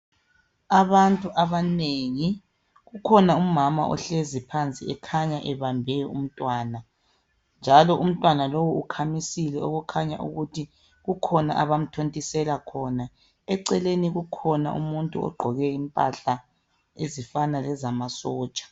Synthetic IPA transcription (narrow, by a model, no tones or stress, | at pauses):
aβantʼuʔaβaneŋi | ɣukʰɔnaumama̰ʔɔ̰ɬezipʰant͡sʼiɛkʰaɲaʔɛβambʱɛjɔum̩tʼwaːna | nd͡ʒʱalɔʔum̩tʼwanalɔwɔukʰamisilɛoɣukʰaɲa̰ʔṵɣutʰi | ɣukʰɔna̰ʔa̰βam̩tʰontʼisɛlakʰɔna | ɛǀɛleniɣukʰɔna̰ʔṵmuntʼṵɔ̰ɡ͡ǃʱɔɣɛimpʼa̰ɬa | ezifanalɛzamasɔːt͡ʃʼḁ